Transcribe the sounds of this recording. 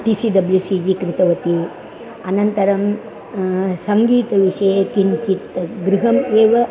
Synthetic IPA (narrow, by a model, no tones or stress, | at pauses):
ʈisiːɖɐbljusid͡ʒikɾɪt̪ɐʋɐt̪i | ɐnɐnt̪ɐɾɐm | sɐŋɡiːt̪ɐʋiʂɐjɐkiɲt͡ʃit̪ɡɾiɦɐmeːʋɐ